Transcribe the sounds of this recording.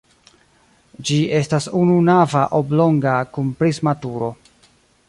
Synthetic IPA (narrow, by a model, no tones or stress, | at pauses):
d͡ʒie̞stasununavaʔoblo̞ŋɡakunpɾizmatuɾo̞